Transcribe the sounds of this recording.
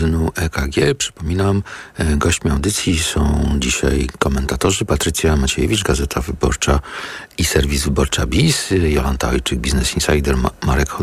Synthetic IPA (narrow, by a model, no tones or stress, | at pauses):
nuʔɛkaɡʲjɛpʂɘ̥pɔmʲinamɡɔɕt͡ɕmʲiawd̪ɘt̪sʲjisɔ̃w̃d͡ʑiɕa̰jkɔmɛnt̪at̪ɔʐɘpat̪ɾɘt̪sʲjamat͡ɕeɛjɛvʲit͡ʂɡazɛt̪ʰavɘbɔ̰ɾt͡ʂaisɛɾvʲizvɘbɔɾt͡ʂabʲisjɔlant̪aɔjt͡ʂɘɡ̚bʲiznɛsinsajd̪ɛɾmaɾɛkʰɔ